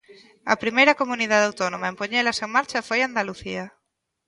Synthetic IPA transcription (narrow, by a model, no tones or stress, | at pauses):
ɐ̰pɾimejɾɐkomuniðaðawt̪onomaẽmpoɲelaseŋmaɾt͡ʃafojand̪aluθia